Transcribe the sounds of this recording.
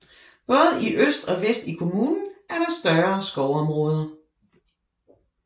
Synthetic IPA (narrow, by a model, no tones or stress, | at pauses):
b̥ɔ̽ːð̞̩ˠiʔøsd̥ɒ̽ʋesd̥ikʰo̝muːnn̩ʔæɐɾ̥ɑ̈sd̥ɶɐsɡ̥ɒʊɒ̽mʁɔ̽ːð̞ˠɐ